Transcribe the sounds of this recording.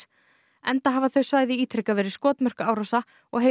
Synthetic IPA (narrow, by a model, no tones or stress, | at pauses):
ɛnt̪aɦaːvaθœɥsvaːjðɪiːt̪ʰɾɛkavɛːɾɪskɔːt̪mœr̥kaːwɾɔsa | ɔɣɦe